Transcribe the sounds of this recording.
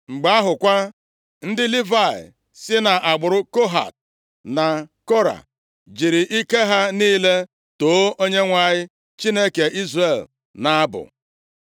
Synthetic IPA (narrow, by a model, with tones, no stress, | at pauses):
ŋ͡m̩˨ɡ͡ba˦a˦ɦʊ˨kʷa˦ | n̩˦dɪ˦li˦va˨ɪ̰˨ | sɪ˦na˨ʔa˨ɡ͡bʊ˨ɾʊ˦ko˦ɦa̰˨t̚ | na˨ko˦ɾa̰˨ | d͡ʒi˨ɾɪ˨ʔi˦ke˦ɦa˦niː˦le˦ | to˨˦o˦ɲe˦ŋʷa˨ɲɪ˦ | t͡ʃi˦ne˦ke˨i˦zre˦˨l | na˨a˦bʊ̰˨